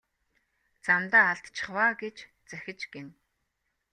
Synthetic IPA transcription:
t͡samt̪aːɮt̪t͡ɕʰɪ̥̆χwaːɡet͡ɕ | t͡sæxʲɪ̆t͡ɕɡen

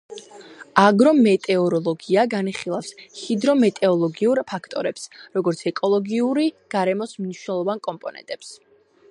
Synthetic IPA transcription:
aɡɾɔmɛt̪ʼɛɔɾɔlˠɔɡiaɡaniχilˠafshid̪ɾɔmɛt̪ʼɛɔlˠɔɡiuɾpʰakʰt̪ʼɔɾɛpsɾɔɡɔɾt̪sʰɛkʼɔlˠɔɡiuɾiɡ̥aɾɛmɔsmniʃwnɛlˠɔvankʼɔmpʼɔnɛ̰nt̪ʼɛps

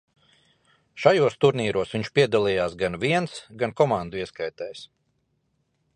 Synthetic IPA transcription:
ʃajuɔst̪uɾniːɾuɔsʋʲiɲt͡ʃpiɛd̪alˠijaːsɡanviɛnsɡankɔmand̪uiɛskajt̪ɛjs

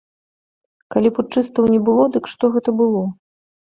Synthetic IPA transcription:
kalʲiput͡ʂɨst̪ɐwnʲɛbɨlˠɔd̪ɨkʂt̪ɔɣɛt̪ɐbɨlˠɔ

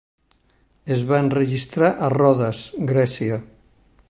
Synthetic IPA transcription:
ezβaenreʒist̪ɾaʔarɔðasɡɾɛsia

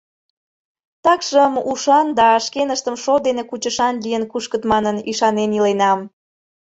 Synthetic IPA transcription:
t̪ɑkʃəmuʃɑnd̪ɑːʃkenəʃt̪əmʃod̪enekut͡ɕəʃɑnlijənkuʃkət̪mɑnəniʃɑnenilenɑm

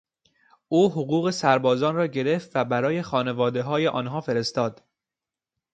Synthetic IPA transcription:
ʔuːɦoɣuːɣe̞sæɾbɒːzɒːnrɒːɟe̞ɾeft̪væbæɾɒːje̞xɒːne̞vɒːd̪e̞ɦɒːjeʔɒ̰ːnɦɒːfe̞ɾe̞st̪ɒːd̪̥

